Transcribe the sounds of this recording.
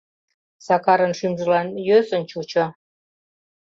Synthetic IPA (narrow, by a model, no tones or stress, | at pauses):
sɑkɑɾənʃymʒəlɑnjøsənt͡ɕut͡ɕo